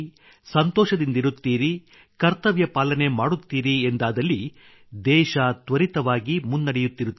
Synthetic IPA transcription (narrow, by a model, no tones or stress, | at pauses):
sɐnt̪ɔːʃɐd̪ind̪iɾut̪ːiːɾi | kɐɾt̪ɐʋjɐpaːlɐne̞maːɽut̪ːiːɾiend̪aːd̪ɐlːi | d̪ɛːʃɐt̪ʋɐɾit̪ɐʋaːɡimunːɐɽɛjut̪ːiɾut̪ː